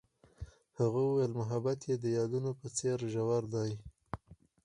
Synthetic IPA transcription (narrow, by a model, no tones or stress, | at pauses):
haɣauwelmʊɦabat̪jed̪əjɑd̪unopət͡seɾʒawaɾd̪ɑj